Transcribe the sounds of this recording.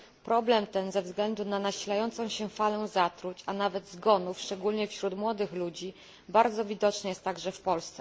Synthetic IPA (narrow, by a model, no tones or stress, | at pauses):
pɾɔblɛmt̪ɛnzɛvzɡlɛnd̪unanaɕilajɔnt̪sɔ̃w̃ɕɛfalɛ̃zat̪ɾut͡ɕanavɛd̪zɡɔnufʂt͡ʂɛɡulɲɛfɕɾut̪mwɔd̪ɘxlud͡ʑi | baɾd̪zɔvʲid̪ɔt͡ʂnɘjɛst̪t̪ːaɡʐɛfpɔlst̪sɛ